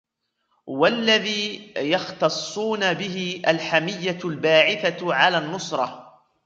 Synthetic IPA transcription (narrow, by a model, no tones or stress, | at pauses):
walːaðiːjɑxt̪ɑsˤːuːnabɪɦɪʔalħamɪjːalbaːʕɪθaʕalaːnːʊsɾˤɑ